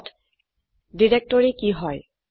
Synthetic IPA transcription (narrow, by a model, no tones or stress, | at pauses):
t | ɖiɾek̚ʈoɾikiɦɔe